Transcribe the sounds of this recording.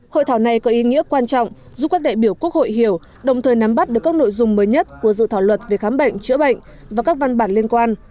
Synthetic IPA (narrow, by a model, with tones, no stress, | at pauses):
ho̰˧˨jt̪ʰːwna˨˩jkɔ˨˦ʔi˨˦ŋḭ˧˥əkwaː˧nt͡ɕɔ̰˧˨wŋ͡m | zu˦˥kːaː˦˥ɗa̰ː˧˨jɓi˧˩əwku˦˥ək̚ho̰˧˨jɦi˧˩əw | ɗə˨˩wŋ͡mt̪ʰəː˨˩jna˨˦mɓa˦˥t̚ɗɨ˨˩əkːaː˦˥no̰˧˨jzʊ˨˧˩ŋ͡mməː˨˦jɲə˦˥t̚ku˧˩əzɨ̰˧˨t̪ʰaː˧˩wlwə˨˩t̚ve˨˩xaː˨˦mɓə̰˧˨jŋ̟t͡ɕɨ˧˥ɓə̰˧˨jŋ̟ | vaː˨˩kaː˦˥k̚va˧nɓaː˧˩nli˧ənkwaː˧n